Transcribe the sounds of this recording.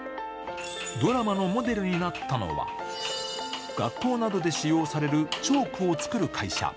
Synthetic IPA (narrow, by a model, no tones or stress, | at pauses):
d̪o̞ɾamano̞mo̞d̪e̞ɾɯ̟ɲ̟inat̪ʰːano̞̰βa̰ | ɡ̥a̰kːo̞ːnad̪o̞d̪e̞ɕijo̞ːsaɾe̞ɾɯ̟t͡ɕo̞ːkɯo̞t͡sɨ̥kɯ̟ɾɯ̟kʰaiɕa̰